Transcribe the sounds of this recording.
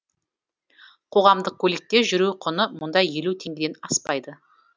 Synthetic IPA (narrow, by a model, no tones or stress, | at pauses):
qʰo̞ʁɑmd̪əq̚kʲʰɵle̞k̚t̪e̞ʒʏɾuqʰʊnəmʊnd̪ɑje̞lut̪ʰe̞ŋɡʲɪd̪e̞nɑspɑjd̪ə